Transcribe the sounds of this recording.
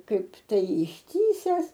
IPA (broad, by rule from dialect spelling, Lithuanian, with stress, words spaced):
ˈkɐɪp ˈtɐɪ ɪʃʲˈtʲiːsʲɛs